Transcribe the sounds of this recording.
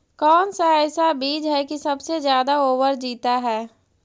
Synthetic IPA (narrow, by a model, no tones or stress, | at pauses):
kɔːnsaɛɪsabiːd͡ʒɦɛkisɐbsezjaːd̪aoːwəɾd͡ʒiːt̪aɦɛː